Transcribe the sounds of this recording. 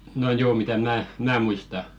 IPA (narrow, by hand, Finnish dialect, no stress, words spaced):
no joː mitæ mæː mæː muistɑ